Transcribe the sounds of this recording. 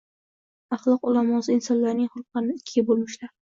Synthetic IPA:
ɑχlˠɒqʊlˠamɒsɨɪnsɒnlaɾnɪŋχʊlˠqlɑɾnɪɪkʲʰːɪɡʲabolˠmɪʃlaɾ

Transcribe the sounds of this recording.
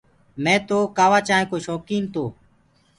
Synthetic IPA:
mɛ̃ːt̪oːkaːʋaːt͡ʃaːɦẽːkoːʃɔːkiːnt̪oː

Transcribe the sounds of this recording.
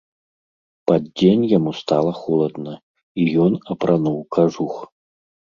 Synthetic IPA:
pad̪d͡zʲenʲjamust̪alˠɐxɔlˠɐd̪nɐ | ijɔnɐpɾʔanuwkʰaʐux

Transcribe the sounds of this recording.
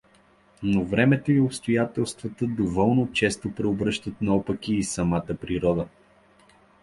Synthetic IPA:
novɾɛmɛt̪oiopst̪ojat̪ɛlˠst̪vɐt̪əd̪ovɔlˠnot͡ʃɛst̪opɾɛobɾɤʃt̪ət̪nɐɔpəkiːsɐmat̪əpɾiɾɔd̪ə

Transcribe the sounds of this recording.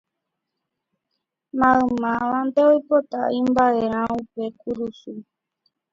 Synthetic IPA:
mãɨ̃mãʋand̪eojpot̪aĩmbaeɾ̃ãupekuɾusu

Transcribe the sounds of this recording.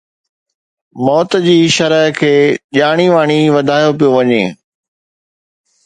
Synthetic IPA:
mɔːt̪d͡ʑiːʃɐɾəɦkʰeːʄaːɽ̃iʋaːɽ̃iʋɐd̪ʱaːjopijoʋɐɲḛ̃ː

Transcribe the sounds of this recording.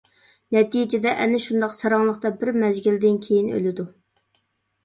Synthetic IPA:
nɛt̪ijd͡ʒed̪ɛʔɛnɪʃund̪ɑqsɑɾɑŋlˠəqt̪ɑbɪɾmɛzɡʲild̪ɪnkʲʰejinø̰lɪd̪u

